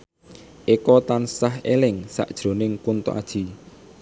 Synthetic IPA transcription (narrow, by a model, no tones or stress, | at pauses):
ʔikɔt̪ansaɦelɪŋsa̰ʔd̥ʒ̥ɾo̤nɪŋkunt̪o̰ʔa̰d̥ʒ̥i̤